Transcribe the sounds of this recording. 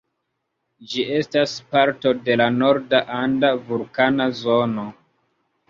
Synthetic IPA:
d͡ʒiʔe̞staspaɾto̞de̞lano̞ɾdaʔandavulkanazo̞no̞

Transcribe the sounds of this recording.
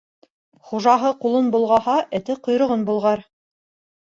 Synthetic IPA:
χuʒɑɦɤqulˠɤnbŭlˠʁɑhɑʔɘ̆t̪ɘqŏjɾŏʁɤnbulˠʁɑɾ

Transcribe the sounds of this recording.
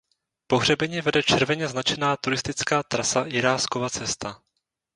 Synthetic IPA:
poɦr̝ɛbɛɲiːvɛdɛt͡ʃɛɾvɛɲɛznat͡ʃɛnaːt̪uɾɪst̪ɪt͡skaːt̪ɾasajɪɾaːskovat͡sɛst̪a

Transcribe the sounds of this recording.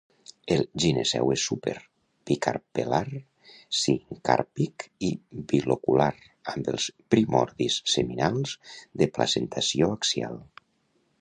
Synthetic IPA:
əlˠʒinezɛ̰wesupḛɾ | pikaɾpelaɾ | siŋka̰ɾpikibilokulaɾ | ambəlˠspɾimɔɾðisːeminalˠzd̪əplazent̪ʰasioəksia̰lˠ

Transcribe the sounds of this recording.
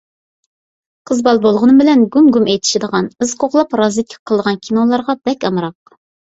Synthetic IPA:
qʰəzbɑlˠbolˠʁʊnɨmbɪlɛnɡʲumɡumɛjt̪ʰi̥ʃid̪əʁɑnɨz̥qʰoχlˠɑpɾɑzɨt̪̚kʲʰi̥qʰːəlˠd̪əʁɑnkʲʰinolˠɑɾʁɑb̥ɛkʲɑmɾɑq̚

